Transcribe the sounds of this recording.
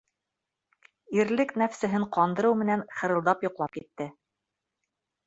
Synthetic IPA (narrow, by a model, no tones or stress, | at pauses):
iɾlɘknæfsɘ̆ɦɘɴqɑnd̪ɤ̆ɾɤwmɘ̆nænχɤ̆ɾɤ̆lˠd̪ɑpjŏqlˠɑp̚kit̪ːɘ